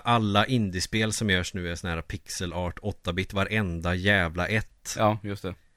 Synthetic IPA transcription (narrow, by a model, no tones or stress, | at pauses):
ʔalːaʔɪnd̪ɪspeːlsɔmjœːʂnʉ̟ːɛsɔnhæːɾapʰɪksəlɑːʈɔt̪ːabɪt̪ːvaɾʔɛnd̪ajɛːvlaʔɛt̪ːjɵst̪ɛ